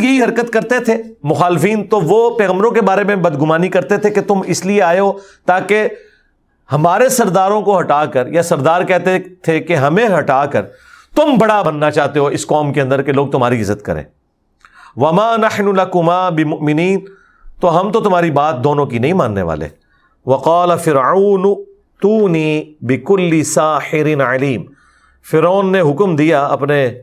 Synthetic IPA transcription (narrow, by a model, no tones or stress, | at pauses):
jɐɦiɦɐɾkət̪kɐɾt̪et̪ʰemʊxaːlɪfiːnt̪oʋopɛːɣəmbɾõkebaːɾemẽbɐd̪ɡʊmaːnikɐɾt̪et̪ʰeket̪ʊmɪslieaːjoːt̪aːke | hɐmaːɾesɐɾd̪aːɾõkoɦɐʈaːkəɾjasɐɾd̪aːɾkɛɦt̪et̪ʰekeɦɐmẽɦɐʈaːkəɾ | t̪ʊmbɐɽabɐnːat͡ʃaːɦt̪eɦoɪskɔːmkeɐ̃nd̪əɾkeloːɡ̚t̪ʊm̤ɦaːɾiɪzːət̪̚kɐ̰ɾḛ̃ː | ʋɐmaːnɐħnʊlɐkʊmaːbɪmʊʔmɪniːn | t̪oɦɐmt̪ot̪ʊmaːɾibaːt̪̚d̪oːnõkinɐɦĩmaːnːḛʋa̰ːlḛ | ʋɐqɑːlɐfɪɾʕaːnʊ | t̪uːniːbɪkʊlːɪsaːħɪɾɪnʕɐliːm | fɪɾaːnːeɦʊkmd̪ijaɐpne